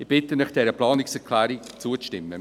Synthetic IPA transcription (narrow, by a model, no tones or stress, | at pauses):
ɪb̥ɪtːənəχd̥ɛɾəplɑːnɪksɛʁkʰlæːɾit͡suət͡sʃtɪmːə